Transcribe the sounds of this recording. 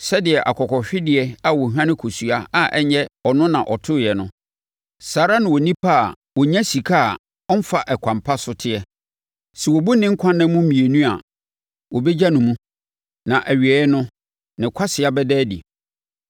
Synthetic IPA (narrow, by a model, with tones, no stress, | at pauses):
sɛ˦dɪ˨ɛ˨ʔa̰˨kʰɔ˨kʰɔ˨ɕᶣɪ˦dɪ˨ɛ˨a˨wɔ˨ɦᶣã˦nɪ̃˦kʰo˨su˨a˦a˨ʔɛ̰˦ɲɛ˦ɔ˨nʊ̃˦nã˨ʔɔ˨tʰʊ˦˨jɛ˨nʊ̰̃˦ | saː˨ɾa˦nã˨wɔ˨nĩ˦pʰa˦˨ | wɔ˨ɲɛ̃˦si˨kʰa˦˨ | ɔ˦n̩˦fa˨ʔɛ˨kʷʰã˨mpʰa˦sʊ˦tʰɪ˦ɛ˦ | sɛ˨wɔ˨bu˦nɪ̃˦ŋ̩˦kʷʰã˦nːã˦mũ˦m̩˦mĩ˨e˨nũ˦a˨ | wɔ˨bɛ˦d͡ʑa˦nʊ̃˨mũ˦ | nã˨ʔæ˨ɥi˨ɛ˨jɛ˦nʊ̃˦ | nɪ̃˨kʷʰa˦sɪ˨a˨bɛ˦dɛː˦dḭ˨